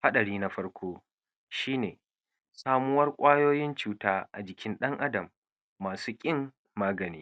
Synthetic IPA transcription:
ha˦ɗɐ˨ɽiː˦na˦ɸɐ˦ɽkʷʰoː˦ | ʃiː˦neː˨ | saː˦mʊ˦wɐ˦rkʷʼaː˦joː˦jɪ˦nt͡ʃuː˨taː˦ʔa̰˨d͡ʒɪ˨kʲɪ˦nɗɐ˦ŋʔa˦dɐ˨mː | aː˨suː˦kʲʼɪ˦ŋː | aː˦ɡɐ˨niː˦

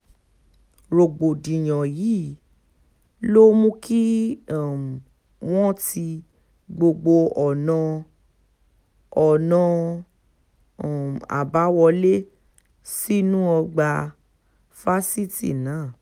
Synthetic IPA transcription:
ɾo˨ɡ͡bo˨dĩ˨j̃ɔ̃˨ji˨˦ | lo˦mũ˦ki˦˨ | w̃ɔ̃˦ti˧ | ɡ͡bo˧ɡ͡bo˧ɔ˨nã˧ | ɔ˨nã˧˨ | a̰˨ba˨˦wɔ˧le˦ | si˦nũ˦ɔ˧ɡ͡ba˧ | fa˦si˦tḭ˦˨nãː˨˦˨

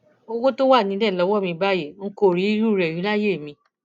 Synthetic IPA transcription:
o˦˧wo˦to˦wa˦˨nĩ˨˦dɛ˦˨lɔ˨˧˦wɔ˦˨mĩ˧ba˦˨je˦˨ŋ̩˦ko˦˨ɾi˨˦ɾu˦˨ɾɛ˨jĩ˨˦la˦je˦˨mĩ˧

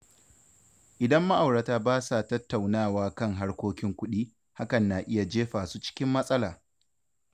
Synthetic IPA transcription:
ʔɪ˨dɐ˦mːa˦ʔa˨wɽa˨taː˦baː˦sa˨tɐ˦tːa˨wnaː˦˨waː˦kɐ˦˨ŋɦa˦ɽkʷoː˦kʲɪ˦ŋkʷʊ˦ɗiː˦ | ha˦kɐ˨nːaː˨ʔɪ˦ja˨d͡ʒeː˦ɸaː˨suː˦t͡ʃɪ̥˦kʲɪ˦mːɐ˦sʼɐ˦laː˨

